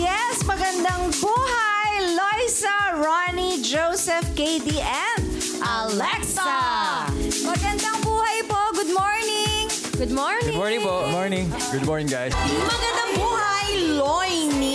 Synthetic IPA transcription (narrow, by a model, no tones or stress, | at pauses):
jɛsmɐɡɐnd̪ɐŋbuːɦajlojsɐɹanid͡ʒowsɛfkejd̪iʔɛnd̪ | ʔɐlɛksɐ | mɐɡɐnd̪ɐŋbuːhɐjpoɡʊd̪̚mɔɹnɪŋ | ɡʊd̪̚mɔɹnɡdɪ̃mɔɹnɪ̃ŋpoɡdmɔɹnɪŋ | ɡʊd̪̚mɔɹnɪ̃ŋɡajsmɐɡɐnd̪aŋbuːhɐjlɔjni